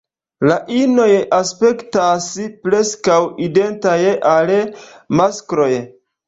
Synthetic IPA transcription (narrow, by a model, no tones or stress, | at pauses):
laʔino̞jʔaspe̞ktaspɾe̞skawide̞ntajʔalmaskɾo̞j